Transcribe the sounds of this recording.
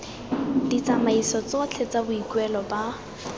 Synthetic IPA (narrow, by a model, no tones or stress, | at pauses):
d̥it͡samaisɔt͡sʊt͡ɬʰet͡sabʊikwɛlɔba